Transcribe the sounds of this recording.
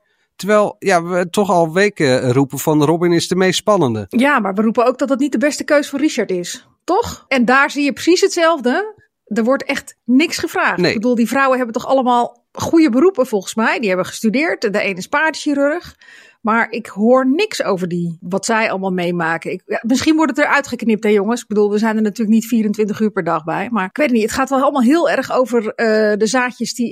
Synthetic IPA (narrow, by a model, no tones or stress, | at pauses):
təɹʋɛjlˠjalʋətɔχɑlˠʋejkrupənfɑnərɔbɪnɪsdəmejstspɑnəndəjamaɹʋərupənowɡ̚dɔt̚dətnit̚dəbɛstəkøɥsfɔːriʃaɹtɪs | tɔχɛndaːɹzijəprə̥sisɦətsɛlˠvdə | dəɹʋɔɹtɛχtnɪksχəvraːnebədulˠdivrɔwəɦɛbəntɔxɑ̰ləmaːlˠ | χujəbəɾupəvɔlˠχənsmɛjdiɦɛbəʋəχə̥stydɪːɹtdəejnɪspaːdəʃiɾøɹχ | maːɹɪkɦoːɹnɪksowvəɹdiʋɑtsɛjɑ̰lˠəmaːlˠmejmaːkənɪkamɪsχinʋɔɹtətəɹœɥtχəknɪp̚thɛjoŋəsɪɡ̚bədulˠʋəzɛjndəɹnatyːɹləknitfiːɾəntʋɪntəχyːɹpɛɹdɑχbɛjmaːɹɪkʋejtətnitətχaːtʋɛlˠɑlˠəmalˠɦɪːlˠɛrxowvərədəzaːkjəsdi